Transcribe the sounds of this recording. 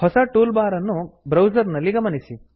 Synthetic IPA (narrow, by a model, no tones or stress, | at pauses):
hɔsɐʈuːlbaːɾɐnːubɾɐwd͡ʒɐɾnɐlːiɡɐmɐnisi